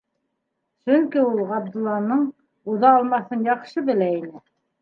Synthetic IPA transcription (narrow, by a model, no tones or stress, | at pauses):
sɵŋkiulˠʁɑb̚d̪ŭlˠːɑnɤɴ | uðɑːlˠmɑθɤnjɑqʃɤbɘ̆læinɘ